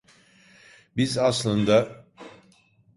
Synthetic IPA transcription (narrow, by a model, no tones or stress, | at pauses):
bizaslˠɯnd̪a